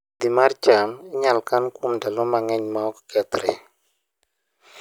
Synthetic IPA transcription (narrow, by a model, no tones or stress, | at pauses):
d̪imaɾt͡ʃanɲalkankumdalɔmaŋɛɲmakkɛt̪ɾɛ